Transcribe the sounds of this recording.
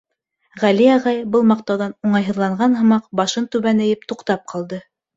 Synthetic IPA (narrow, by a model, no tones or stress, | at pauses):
ʁæliɑʁɑjbɤlˠmɑqt̪ɑwðɑnuɴɑjɦɤ̆ðlˠɑɴɢɑnɦɤ̆mɑqbɑʃɤnt̪ʉβænɘ̆jɘp̚t̪uqt̪ɑp̚qʰɑlˠd̪ɤ